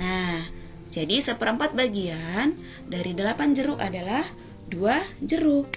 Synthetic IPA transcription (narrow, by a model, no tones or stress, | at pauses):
nah | d͡ʒadisəpəɾəmpat̪̚baɡian | daɾidəlapand͡ʒəɾuʔadalah | duad͡ʒəɾu